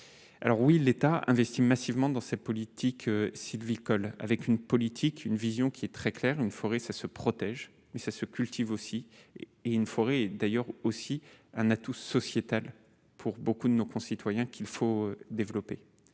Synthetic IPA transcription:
a̰lɔʁwilet̪aɛ̰̃vɛst̪imasivmɑ̃d̪ɑ̃sɛt̪̚pɔlit̪ʰikʰøsilvikɔla̰vɛkynpɔlit̪ʰikʰynvizjɔ̃kʲiɛt̪χɛklɛʁynfɔʁesasəpχɔt̪ɛʒ | mɛsasəkʲylt̪ivosieynfɔʁeɛd̪ajœʁosiɛ̃nat̪usɔsjet̪al | pʰuʁbokud̪ənokɔ̃sit̪wajɛ̃kʲilfoød̪evlɔpe

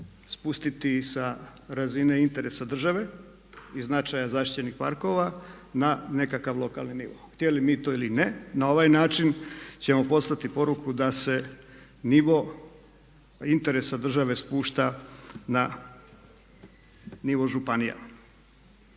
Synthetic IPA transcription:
spust̪it̪isaɾazineint̪e̞ɾe̞sad̪r̩ʒaʋe̞ | iznat͡ʃajazaːʃt̪i̥t͡ɕenixpa̰ɾko̞ʋanane̞kakaʋlˠo̞ka̰lˠninḭʋo̰xt̪jelimiːt̪o̞ilinenao̞ʋajnaːt͡ʃint͡ɕe̞mo̞po̞t̪st̪at̪ipo̞ɾukud̪ase̞ | niʋo | int̪e̞ɾesad̪r̩ʒaʋe̞spuːʃt̪ana | niʋo̞ʒupanija̰

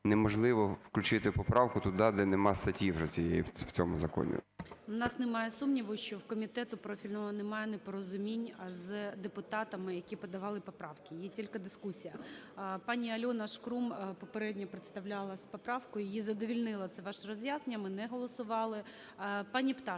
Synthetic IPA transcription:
nɛmɔʒlˠɪʋɔwklʲʉt͡ʃɪt̪ɪpɔpɾɑwkʊt̪ʊd̪ɑd̪ɛnɛmɑst̪ɐtʲiwʒɐsʲijeɛjḭw̥t͡sʲɔmʊzɐkɔ̰nʲḭnɑsnɪmɑjɛsumnʲiʋʊʃt͡ʃɔwkɔmʲit̪ɛt̪ʊpɾɔfʲilʲnɔɦɔnɛmɑjɛnɛpɔɾɔzʊmʲinʲzd̪epʊt̪ɑt̪ɐmɪjɐkʲipɔd̪ɐʋɑlˠɪpɔpɾɑwkɪjitʲilʲkɐd̪ɪskusʲijɐpɑnʲiɐlʲɔnɐʃkɾumpɔpeɾɛdʲnʲɐpɾet̪st̪ɐwlʲɑlˠɐspɔpɾɑwkʊjjjizɐd̪ɔʋʲilʲnɪlˠɐt̪sɛʋɑʃrɔzjaznnʲɐmɪnɛɦɔlˠɔsʊʋɑlˠɪ | pɑnʲipt̪ɑ

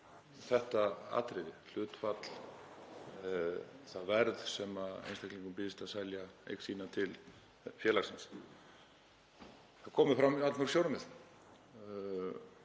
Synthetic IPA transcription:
θɛht̪aa̰ːt̪ɾɪðɪl̥ʏːt̪fat̪l̥ | θaðvɛɾðsɛmaḛjnst̪ʰajkliŋkʏmpɪːðɪst̪aðsajljaḛjksiːnat̪ʰɪl | fjɛːlaksɪns | θaðkʰɔːmʏfɾamat̪laɾsjowɾmɪð

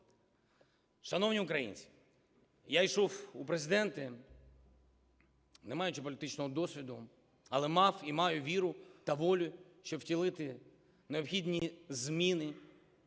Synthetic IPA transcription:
ʃɐnɔwnʲiʊkɾɐjḭnʲt͡ssʲi̥ | jajʃɔwupɾezɪd̪ɛnt̪ɪ | nemɑjʊt͡ʃipɔlʲɪt̪ɪt͡ʃnɔɦɔd̪ɔsʲʋʲid̪ʊ | ɐlˠɛmɑwimɑjʊʋʲiɾʊt̪ɐʋɔlʲʊʃt͡ʃɔwtʲilˠɪt̪ɪ | neɔpxʲidʲnʲizmʲinɪ

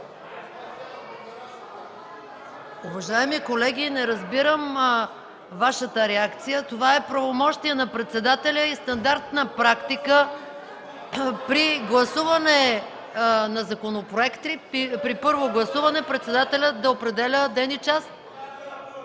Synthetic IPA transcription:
ʊvɐʒaɛmikolɛɡʲinɛɾɐzbiɾəm | vaʃət̪əɾɛakt̪sijət̪ovaɛpɾɐvomɔʃt̪iɛnɐpɾɛt̪sɛd̪at̪ɛlʲəist̪ɐnd̪aɾt̪nɐpɾakt̪ikə | pɾiɡlˠɐsuvɐnɛ | nɐzɐkonopɾoɛkt̪ipɾipɤɾvoɡlˠɐsuvɐnɛpɾɛt̪sɛd̪at̪ɛlʲət̪d̪ɐopɾɛd̪ɛlʲəd̪ɛnit͡ʃast̪

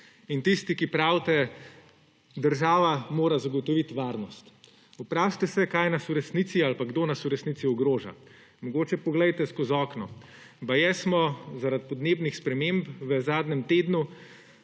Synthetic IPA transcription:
int̪ist̪ikipɾawt̪ɛ | d̪əɾʒaːʋamoːɾazaɡɔt̪ɔʋit̪ʋaɾnɔst̪ | upɾaːʃt̪ɛsɛkajnasuɾɛsnit̪sialpaɡd̪oːnasuɾɛsnit̪iɔɡɾoːʒa̰ | mɔɡoːt͡ʃɛpɔɡlɛjt̪ɛskozɔːknɔ | bajɛsmɔzaɾat̪̚pɔd̪neːbnixspɾɛmempʋəzaːd̪nɛmt̪eːd̪nu

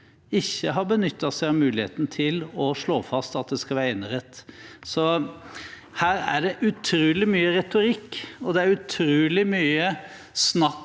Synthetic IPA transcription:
ɪçːəɦɑɾbənʏt̪ːɑsæɪɑmʉːlɪhḛːt̪nət̪ʰɪlɔʂɭoːfɑst̪ɑt̪̚d̪ɛskɑlʋæːɾɛnəɾɛt̪ːsɔ | hæːɾæ̰ɖɛʔʉt̪ʰɾʉːlɪmyːəɾɛt̪ʊɾɪkːɔd̪ɛæɾʉt̪ʰɾʉːlɪmyːə | snɑ

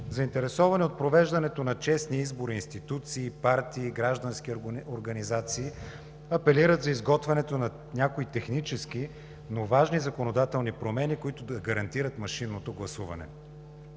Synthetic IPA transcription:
zɐint̪ɛɾɛsɔvɐniot̪̚pɾovɛʒd̪ɐnɛt̪onɐt͡ʃɛsniizboɾiːnst̪it̪ut̪siːpaɾt̪iːɡɾaʒd̪ɐnsk̟ioɾɡɐnizat̪siː | ɐpɛliɾət̪zɐizɡɔt̪vɐnɛt̪onɐ | nʲakoit̪ɛxnit͡ʃɛski | novaʒnizɐkonod̪at̪ɛlˠnipɾomɛnikoit̪ʊd̪ɐɡɐɾɐnt̪iɾət̪mɐʃinːot̪oɡlˠɐsuvɐ̰nɛ̰

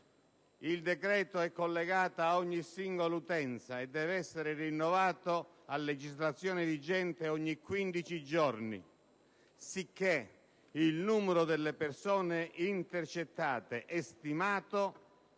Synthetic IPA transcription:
ild̪ɛkɾɛːt̪oɛkːolːeɡaːt̪aaɔɲːisiŋɡolut̪ɛnt̪saed̪ːɛːvɛsːeɾɪrinːɔvaːt̪o | alːed͡ʒizlat̪sːjɔːnɪd̪id͡ʒɛnt̪eɔɲːikːwind̪it͡ʃid͡ʒɔrnḭ | sikːe | ilnuːmɛɾʊd̪elːepersɔːneint̪ert͡ʃet̪ːaːt̪eʔɛst̪imaːt̪o

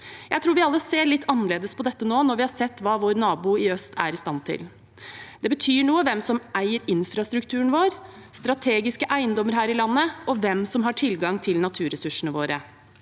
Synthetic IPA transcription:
jæɪt̪ʰɾuːɾʋɪɑlːəseːɾɭɪt̪ːɑnːəɾleːd̪əspʰɔd̪ɛt̪ːənoːnɔɾʋɪhɑɾsɛt̪ːʋɑːʋoːɾnɑːbuːɪœst̪ʰæ̰ɾɪst̪ɑnt̪ʰɪ̰l | d̪̥ɛbət̪ʰyːɳuːəʋɛmsɔmʔæɪəɾɪnfɾɑst̪ɾʉk̚t̪ʰʉːəɳʋoːɾ | st̪ɾɑt̪ʰeːɡɪskəʔæɪənd̪ɔmːəɾɦæːɾɪlɑnːəɔʋɛmsɔmɦɑʈʰɪlɡɑŋt̪ʰɪlnɑt̪ʰʉːɾɛsʉʂəɳəʋoːɾə

